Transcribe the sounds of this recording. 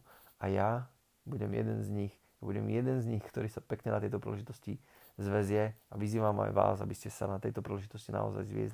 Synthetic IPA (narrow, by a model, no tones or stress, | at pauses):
ʔaja | buɟɛmjɛ̰d̪ɛnzɲix | jabuɟɛ̰mjɛd̪ɛnzɲixkt̪ɔɾiːsapɛkɲɛnat̪ɛjt̪ɔpɾḭːlɛʒit̪ɔsci | zʋɛzɪjɛaʋiziːʋama̰jʋa̰ːza̰biscɛsa̰nat̪ɛjt̪ɔpɾiːlɛʒit̪ɔscina̰ɔ̰za̰jzʋɪɛ̰zli